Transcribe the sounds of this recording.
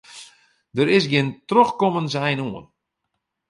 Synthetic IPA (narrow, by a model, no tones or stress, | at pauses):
dəɾɪsɡiəntrøxkɔmənsɛjnuən